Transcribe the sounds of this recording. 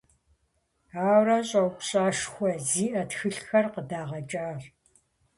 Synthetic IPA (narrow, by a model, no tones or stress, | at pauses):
aːwrɐɕʼɐwkʷʼɕʼaːʂxʷɔziːʔɐtxɨɬxɐrqədaːʁɐt͡ʃʼaːr